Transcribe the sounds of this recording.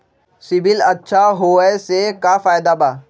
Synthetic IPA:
sɪbɪlɐtːʃʰaɦoːɛsekafaːjd̪abaː

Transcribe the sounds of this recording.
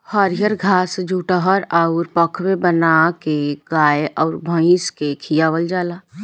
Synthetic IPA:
həɾjəɾɡʱaːsd͡ʒʱuːʈəɦəɾaʊɾpəkʰwebənakeɡaːeʔɔʊɾbʱə̃ɪ̃skekʰijaːʋəld͡ʒaːlaː

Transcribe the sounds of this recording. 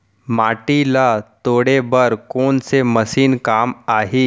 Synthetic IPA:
maʈilat̪oɽebəɾkoɳseməsiːnkamaɦi

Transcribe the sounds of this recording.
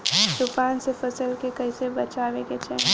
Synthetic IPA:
d̪ʊpaːnsefɐsəlkekɐisebɐt͡ʃaːʋeket͡ʃʰɛ

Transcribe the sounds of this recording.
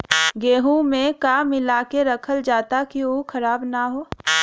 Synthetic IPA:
ɡeːɦũmẽkaːmɪlaːkeɾɐkʰəld͡ʒaːt̪akiukʰɐɾaːbnaɦoː

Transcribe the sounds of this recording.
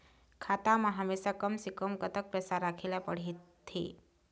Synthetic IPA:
kʰat̪amãɦəmesakəmsikəmkət̪ək̚pɾəsaɾakʰelapəɽ̤it̪ʰːḭ

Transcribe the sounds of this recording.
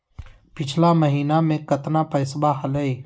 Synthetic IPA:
pɪt͡ʃʰlaməɦiːnamẽkɐt̪napɐɪsbaɦələiː

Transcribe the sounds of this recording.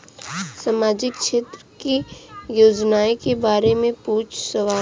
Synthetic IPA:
saːmaːd͡ʒɪkʃeːt̪ɾəkijoːd͡ʒnaːekebaːɾemẽpuːt͡ʃʰsəʋaː

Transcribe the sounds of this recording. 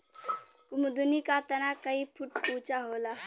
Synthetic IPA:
kumd̪unikat̪ənakaipʰuʈput͡ʃaɦola

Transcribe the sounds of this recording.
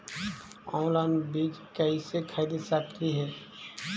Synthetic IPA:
ɔ̃ːnlaɪnbiːd͡ʒkəisekʰaːɪd̪isak̚t̪iɦɛː

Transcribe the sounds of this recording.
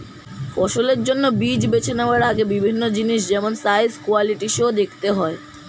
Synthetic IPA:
pɔʃoleɾd͡ʑonːobid͡ʑbet͡ɕʰeneoaɾaɡebibʱinːod͡ʑiniʃd͡ʑɛmonsajskualiʈiʃeod̪ekʰt̪eɦɔe

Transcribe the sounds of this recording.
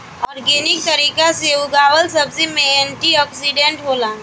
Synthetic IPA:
ɔːɾɡeːnɪk̚t̪ɐɾiːkaseuɡaːwəlsɐbsemẽeɳʈiɔːksiɖẽɳʈɦoːlãː

